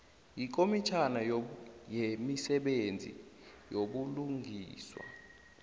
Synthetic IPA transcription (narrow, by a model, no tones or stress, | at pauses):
ik̬ʼomit͡ʃʰanajemisɛɓend͡zʱḭjoɓuluŋʱiːswa̰